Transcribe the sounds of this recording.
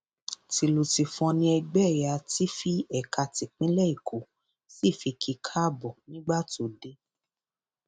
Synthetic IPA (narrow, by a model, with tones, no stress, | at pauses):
ti˧lo˨ti˨fɔ̃˧nĩ˧ɛ˧ɡ͡bɛ˦˨ja˨˧ti˦fi˦ɛ˦˨kʰa˧ti˨k͡pĩ˨˦lɛ˦i˦˨kʰo˨˦ | si˦˨fi˧kʰi˧kʰa˦˨bɔ˨nĩ˦ɡ͡ba˦to˨de˦